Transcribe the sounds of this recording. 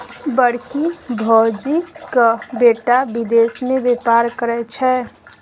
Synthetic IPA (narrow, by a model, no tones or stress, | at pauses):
bəɽkibʱɔd͡ʒikəbeʈabid̪esmebepaɾkəɾɛt͡ʃʰɛ